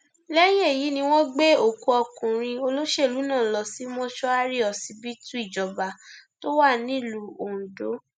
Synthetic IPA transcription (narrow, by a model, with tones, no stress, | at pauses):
lɛ˦je˦˨ji˨˦nĩ˧w̃ɔ̃˦ɡ͡be˦o˨ko˧ɔ˧kũ˨ɾ̃ĩ˧o˧lo˦ʃe˦˨lu˨˦nãː˦˨lɔ˧si˨˦mɔ̃˦ʃɔ˦a˦ɾi˦ɔ˨si˧bi˦tũ˦i˦˨d͡ʒɔ˨ba˨to˦wa˦˨nĩ˦˨lu˨˦o˨ũ˨do˨˦